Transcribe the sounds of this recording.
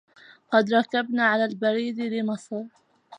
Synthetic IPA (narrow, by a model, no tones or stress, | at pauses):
qɑd̪ɾˤɑkabnaːʕalaːlbaɾiːd̪lɪmɑsˤɾ